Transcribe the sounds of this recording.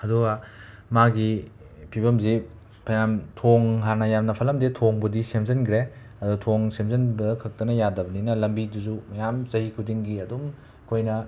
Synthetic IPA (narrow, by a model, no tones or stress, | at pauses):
ɐduɡɐmaɡi | pʰiβɐmzi | pʰajnamtʰoŋɦanɐjamnɐpʰɐlɐmdetʰoŋbudisemzɐnkʰɾe | ɐdutʰoŋsemzɐnbɐkʰɐk̚tɐnɐjadɐbɐninɐlɐmbiduzumɐjamzɐɦikʰudiŋɡiɐdum | kʰojnɐ